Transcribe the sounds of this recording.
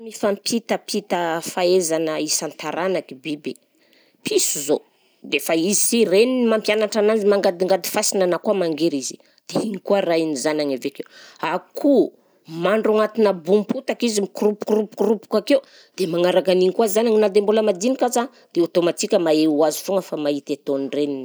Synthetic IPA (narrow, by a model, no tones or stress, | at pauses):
mifampʰit̪əpʰit̪əfaezanəisant̪aɾanakibibe | pʰisuzo | d̪efaizisirenimampjanaʈ͡ʂananzimaŋɡad̪iŋɡad̪i̥fasinanakuamaŋɡeɾizi̥ | d̪̥eiŋikuarainizanaɲavekewakʰu | maɳɖ͡ʐuŋat̪inəbumpʰut̪akizimikrupu̥krupu̥krupu̥kakeu | d̪̥emaŋaɾakaniɲikuazanaɲinad̪embuləmad̪inikaza | d̪̥eot̪omat̪ikʲəmaeuazifuŋəfamaɦit̪et̪onirenin